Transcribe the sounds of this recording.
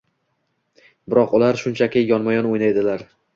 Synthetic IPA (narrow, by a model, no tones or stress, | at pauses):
bɪɾɒqʊlaɾʃʊnt͡ʃʰakʲɪjɒnmajɒnojnajd̪ɪlaɾ